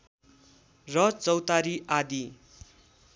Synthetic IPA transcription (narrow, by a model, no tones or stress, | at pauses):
rʌt͡sʌwt̪aɾiʔad̪i